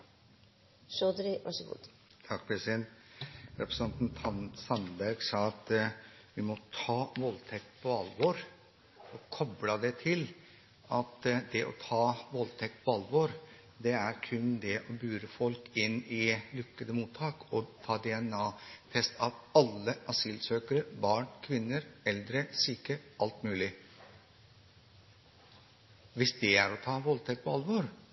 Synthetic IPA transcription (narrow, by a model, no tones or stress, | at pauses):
ʃod̪ɾɪʋɑʂəɡṵːd̪ | t̪ʰɑkpʰɾɛsɪd̪ɛnt̪ɾɛpɾəsɑnt̪nt̪ʰɑnsɑnbæɾɡsɑːɑt̪ʋɪmɔt̪ʰɑːʋɔlt̪ʰɛk̚t̪pʰɔɑlʋoɾ | ɔkʰɔblɑd̪ɛt̪ʰɪl | ɑt̪d̪ɛʔɔt̪ʰɑːʋɔlt̪ʰɛk̚t̪pʰɔɑlːʋɔɾ | d̪ɛæɾkʰʉnd̪ɛʔɔbʉːɾəfɔlkɪnːɪlʏkːəd̪əmuːt̪ʰːɑːkɔt̪ʰɑːd̪ɛɛnɑːfʰɛst̪ɑʋɑlːəʔɑsiːlsøːkəɾəbɑːɳkʰʋɪnːəɾɛld̪ɾəsiːkəʔɑlt̪mʉːlɪ | ʋɪsd̪ɛæɾɔt̪ʰɑːʋɔlt̪ʰɛk̪̚pʰɔɑlʋɔɾ